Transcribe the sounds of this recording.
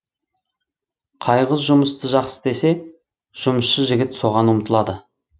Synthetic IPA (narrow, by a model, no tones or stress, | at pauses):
qʰɑjʁəzʒʊməst̪əʒɑqsə̥d̪e̞se̞ | ʒ̥ʊməsʃəʒɪɡʲɪt̪so̞ʁɑnʊmt̪ʰəlˠɑd̪ə